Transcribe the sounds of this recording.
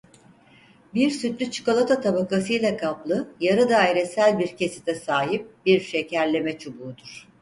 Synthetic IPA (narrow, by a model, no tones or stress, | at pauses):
biɾsyt̪lʲyt͡ʃʰi̥ko̞lˠat̪ʰat̪ʰabakʰasɯjlʲˠakʰaplˠɯjaɾɯd̪aːiɾesælʲbiɾcʰe̞si̥t̪ʰɛsaːɦip̚biɾʃe̞cæɾlʲe̞mɛt͡ʃʰubuːd̪uɾ̥